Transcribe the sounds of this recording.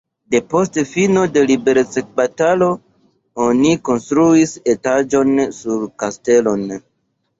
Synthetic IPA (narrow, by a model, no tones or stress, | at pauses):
de̞po̞stefino̞de̞libe̞ɾt͡sek̚batalo̞ | o̞niko̞nstɾuise̞tad͡ʒo̞nsuɾkaste̞lo̞n